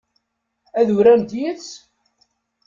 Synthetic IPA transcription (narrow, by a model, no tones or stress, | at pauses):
æðuɾænd̪jət͡s